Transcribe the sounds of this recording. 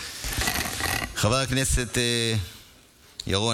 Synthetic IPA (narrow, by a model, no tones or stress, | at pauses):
χavaʁakneset̪e | jaʁo